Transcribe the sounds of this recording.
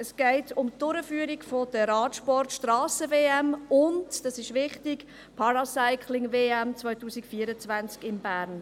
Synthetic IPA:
əsɡ̥ɛɪtʊmtʊɾəfyːəɾiɡfod̥əɾɑːtʃpɔrtʃtrɑːsəveːɛmʊntd̥ɑsɪʃʋɪχtɪk | pʰɑɾɑsaɪkʰlɪŋveːɛmt͡svɔʏtuːsikfiːəɾət͡svant͡skɪmbæːɾn

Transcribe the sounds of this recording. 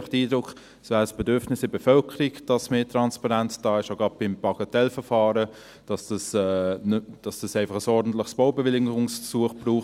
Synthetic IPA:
χtəiːdɾʊk | svæːɾəsb̥edʏɾfnɪsɪbefœlkʰəɾiɡd̥ɑsmeːtɾɑnspɑʁænt͡sd̥ɑːɪʃaɡɑt̚b̥ɪmb̥ɑɡ̥ɑtɛlfəfɑːɾə | d̥ɑsd̥ɑsɛnd̥ɑsd̥ɑsæɪfɑχəsɔɾdn̩t̪lɪχsb̥oʊbevɪlɪɡʊŋsfsuəχb̥ɾuːχ

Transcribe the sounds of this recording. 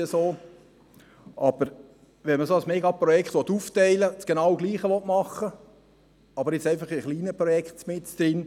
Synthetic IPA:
əsoː | ʔɑb̥əɾ | ʋɛməsosmeːɡɑpɾɔjɛkχt̪ʋɔt̪uːftɛɪlət͡sɡ̥enɑwɡliːχəʋɔt̪mɑχːə | ɑbəɾɪt͡sɛɪfɑχiχliːnəpɾɔjɛkχtt͡smɪtt͡sd̪̥ɾɪn

